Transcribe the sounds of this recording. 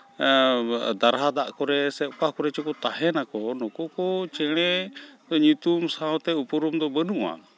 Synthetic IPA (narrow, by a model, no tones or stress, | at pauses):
d̪aɾɦad̪aʔkɔɾɛsɛʔkahkɔɾɛt͡ʃɔkɔt̪aɦɛnakɔnɔkɔkɔt͡ʃɛɽ̃ɛd̪ɔɲut̪umsaɔ̃t̪ɛupuɾumd̪ɔbənuʔa̰